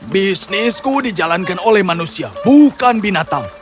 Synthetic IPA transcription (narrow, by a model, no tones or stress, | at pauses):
bisniskudid͡ʒalankanolɛhmanusiabukanbinat̪aŋ